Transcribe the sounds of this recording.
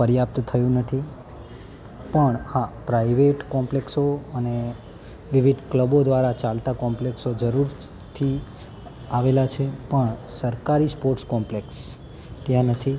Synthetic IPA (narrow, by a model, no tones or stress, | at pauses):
fəɾjap̚t̪t̪ʰəjũnət̪ʰi | pəɳapɾaiʋeʈkɔmpleksoəne | ʋɪʋid̪kləbod̪ʋaɾat͡ʃalt̪akɔmpleksod͡ʒəɾuɾ | t̪ʰi | aʋelat͡ʃʰepəɳsəɾkaɾispoɾʈskɔmpleks | t̪jãnət̪ʰi